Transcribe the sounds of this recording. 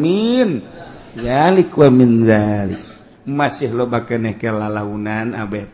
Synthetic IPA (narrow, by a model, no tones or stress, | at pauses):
min | zalikuaminzalḭ | masihlɔbakənɛhkəlalaunana̰bɛh